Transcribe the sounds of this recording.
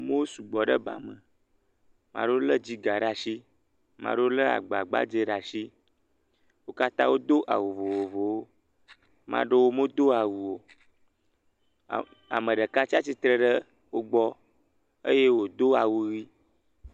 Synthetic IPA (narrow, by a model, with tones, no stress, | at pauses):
mẽ˦wo˦su˨ɡ͡bɔ˨ɖə˦ba̰˨mə̃˨ | mã̰˨ɖo˦lə˦d͡ʑi˦ɡa˨ɖa˨ʃi˦ | mã̰˨ɖo˦lə˦a̰˨ɡ͡ba˨ɡ͡ba̰˦d͡ʒe˦ɖa˨ʃi˦ | wo˦ka˦t̪ã˦wo˦d̪o˦ʔa̰˨wo˨vo˨wo˨vo˨wo˦ | mã̰˦ɖə˦wo˦mo˦d̪o˦a˨wu˨wo˨ | a̰˨mə̃˨ɖə˨ka˦t͡ɕi˦a˦t͡ɕi˦t̪ɾə˦ɖə˦ | wo˦ɡ͡bɔ˦ | ḛ˦je˦wo˨d̪o˦a˨wu˦ɣi˦